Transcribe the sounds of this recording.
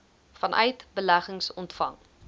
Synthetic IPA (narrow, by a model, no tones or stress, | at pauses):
fɐnʔœ̰ɥtbəlæχəŋsɔntfɐŋ